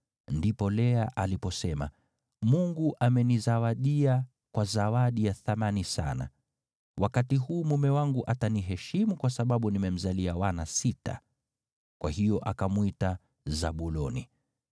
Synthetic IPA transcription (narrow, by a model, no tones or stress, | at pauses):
ndipɔlɛaʔalipɔsɛma̰ | muŋɡuʔamɛnizawaɗia | kwazawaɗijaθamanisa̰na̰ | wʔakatiɦuːmumɛwaŋɡuʔataniɦɛʃimukwasaɓaɓunimɛm̩zaliawanasita̰ | kwahijɔʔakamwita | zaɓulɔni